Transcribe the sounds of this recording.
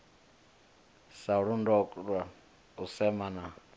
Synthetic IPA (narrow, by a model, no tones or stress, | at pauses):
saɺundɔkʼɺwa | usɛmana